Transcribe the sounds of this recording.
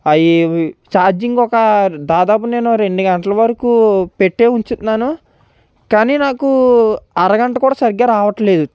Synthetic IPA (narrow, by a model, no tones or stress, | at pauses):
ɐjt͡ʃaːɾd͡ʒiŋɡɔkɐd̪aːd̪aːp̬une̞ːnuɾe̞ɳɖuɡɐɳʈɐlɐʋɐɾɐkuːpe̞ʈːeːuɲt͡ʃunaːnu | kaːniːnaːkuɐɾɐɡɐɳʈɐkuːɽaːsɐɾiɡːɐɾaːʋɐʈɐle̞ːd̪u